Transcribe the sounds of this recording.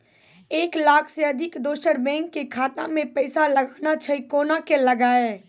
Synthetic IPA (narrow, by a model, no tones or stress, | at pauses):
eːklaːkʰseɐd̪ʱɪkd̪oːʃəɽbɛ̃ːŋkːekʰaːt̪a̰mẽpɛɪsalɐɡaːnat͡ʃʰɐikoːnakelɐɡaːeː